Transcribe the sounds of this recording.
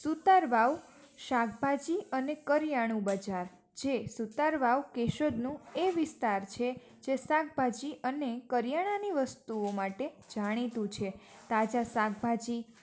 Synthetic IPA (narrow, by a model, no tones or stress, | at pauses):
sut̪aɾʋaʋ | ʃakbʱad͡ʒiənekəɾjaɽ̃ũbəd͡ʒaɾ | d͡ʒesut̪aɾʋaʋkeʃədnũeʋɪst̪aɾt͡ʃʰe | d͡ʒesakbʱad͡ʒiənekəɾjaɽ̃aniʋəst̪uomaʈed͡ʒaɽ̃it̪ũt͡ʃʰet̪ad͡ʒasaɡbʱad͡ʒi